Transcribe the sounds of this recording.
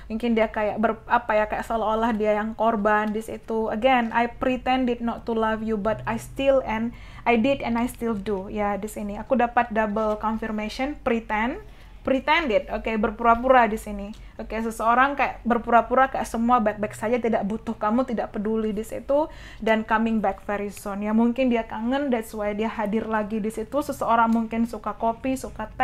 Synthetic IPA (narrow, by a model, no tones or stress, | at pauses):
muŋkɪndiakajaʔbərapajakajaʔsəalaolahdiajaŋkorbandisḭt̪uəɡɛna̰jpɾit̪ɛndɪt̪̚nɔt̪ːulafjubat̪ajst̪ɪlɛn | ajdɪdɛnajst̪ildujadisiniakudapat̪̚dabəlkɔnfirmesɔnpɾit̪ɛn | pɾit̪ɛndɪt̪̚okebərpuɾapuɾadisini | okesəsəoɾaŋkajaʔbərpuɾapuɾakajaʔsəmuabɛk̚bɛksad͡ʒat̪idaʔbut̪ʊhkamut̪idaʔpədulidisḭt̪u | dankamɪŋbɛk̚fɛɾisɔnjamuŋkɪndiat̪aŋəndɛt̪swajdiaɦadɪrlaɡidisit̪usəsəoɾaŋmuŋkɪnsukakopisukat̪ɛ